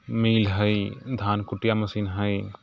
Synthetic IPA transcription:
miːlɦəid̪ʱaːnkʊʈjamɐsiːnɦəi

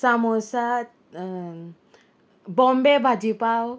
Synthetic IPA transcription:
samosa | bɔmbebʱad͡ʒipaw

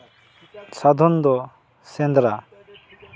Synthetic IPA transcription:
sad̪ʱɔnd̪ɔ | sɛnd̪ɾa

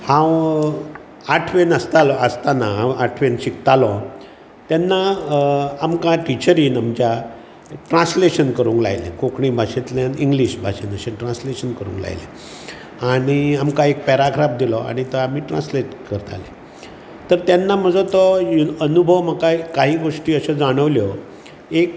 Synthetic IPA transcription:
hãw | aʈʰʋenəst̪alɔəst̪anaɦãwaʈʰʋenɕikt̪alɔ̃ | t̪janːa | amkãʈit͡ɕəɾiːnamt͡ɕja | ʈɾãsleɕənkəɾuːŋkla̰jlḛ̃kokɳibʱaɕet̪ljãniŋɡliɕbʱaɕenəɕẽʈɾãnsleɕənkəɾṵ̃ːŋkla̰jlḛ̃ | aɽ̃iamkaek̚pɛɾakʰɾap̚d̪ilɔa̰ɽ̃it̪əamiːʈɾãnsleʈkəɾt̪a̰le | t̪əɾt̪janːam̤əd͡zɔt̪ɔənubʱəʋməkakaɦiːɡoʂʈiːəɕəd͡zaɽ̃əʋljɔ | ek̚

